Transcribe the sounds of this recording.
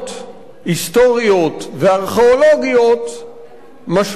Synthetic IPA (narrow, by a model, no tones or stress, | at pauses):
t | ist̪o̞ʁio̞t̪veaʁχeolo̞ɡijo̞t̪ | maʃ